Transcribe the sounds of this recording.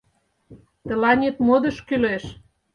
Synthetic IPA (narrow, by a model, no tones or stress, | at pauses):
t̪ə̆lɑnʲet̪mod̪ɤ̆ʃkyleʃ